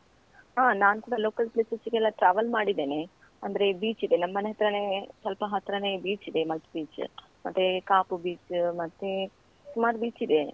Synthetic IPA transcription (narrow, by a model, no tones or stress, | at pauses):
ɦaːnaːnkuːɽɐlo̞ːkɐlpleːsɐsiɡɛlːɐʈɾaːʋɐlmaːɽid̪eːne | ɐ̰nd̪ɐɾe̞biːt͡ʃid̪enɐmːɐneɦɐt̪ɾɐnesɐlpɐɦɐt̪ɾɐnebiːt͡ʃid̪e̞mɐlt̪biːt͡ʃ | mɐt̪ːekaːpubiːt͡ʃmɐt̪ːe | sumaːɾbiːt͡ʃid̪e